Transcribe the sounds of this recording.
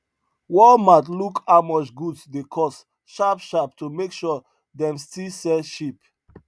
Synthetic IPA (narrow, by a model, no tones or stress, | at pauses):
wɔlmatlukamɔt͡ʃɡuddekʰɔs | ʃapʃap̚tumekʃɔ | dɛ̃mstilsɛʃip